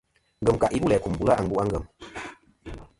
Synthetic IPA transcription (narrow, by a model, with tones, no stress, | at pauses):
ŋ̩˨ɡə˨mka˨ʔi˦bu˦lɛː˨ku˨mbu˨la˦ʔa˨ŋbu˦a˦ŋ˦ɡə˨m